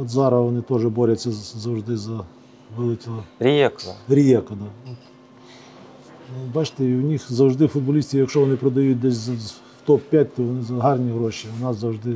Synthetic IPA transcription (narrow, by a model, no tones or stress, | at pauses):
ɔd̪zɑɾɐʋɔnɪt̪ɔʒɛbɔɾʲɐt͡sʲːɐzɐwʐd̪ɪzɐ | ʋɪlˠɪkʲɔɾʲjɛkɾʲijɛkɐd̪ɑnɔt̪ | bɑt͡ʃt̪ɛiwnʲixzɐwʐd̪ɪfʊd̪̚bɐlʲisʲtʲijɐkʃɔʋɔnɪpɾɔd̪ɐjut̚ʲd̪ɛsʲzɐ | wt̪ɔppʲjat̚ʲt̪ɔʋɔnɪzɐɦɑrnʲiɦɾɔʃiʊnɑszɐwʐd̪ɪ